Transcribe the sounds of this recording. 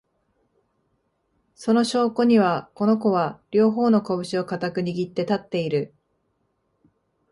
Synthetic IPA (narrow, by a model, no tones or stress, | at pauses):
so̞no̞ɕo̞ːko̞ɲ̟iβako̞no̞ko̞βaɾʲo̞ːɦo̞ːno̞ko̞bɯ̟ɕio̞kat̪akɯ̟ɲ̟iɡʲit̪ːe̞t̪at̪ːe̞iɾɯ̟